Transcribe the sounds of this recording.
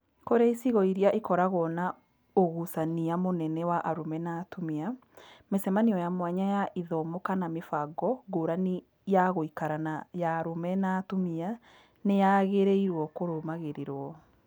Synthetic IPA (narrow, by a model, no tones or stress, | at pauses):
koɾeisiɣɔiɾiaʔekɔɾaɣɔna | oɣusaniamonɛnɛwaʔaɾomɛnatomiamesɛmaniɔjamwaɲajaʔiðɔmokanamefaɡɔɡoːɾani | jaɣoikaɾanajaːɾomɛnatomia | nejaɣeɾeiɾwɔkoɾomaɣeɾeɾwɔ